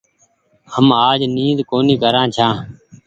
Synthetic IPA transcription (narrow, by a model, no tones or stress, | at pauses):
həmaːd͡ʒniːzkoːniːkəɾãːt͡ʃʰãː